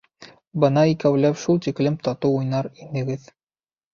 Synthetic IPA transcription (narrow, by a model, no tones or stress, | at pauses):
bɤnɑikæwlæpʃulˠt̪iklɘmt̪ɑt̪ɤwujnɑɾinɘ̆ɡɘð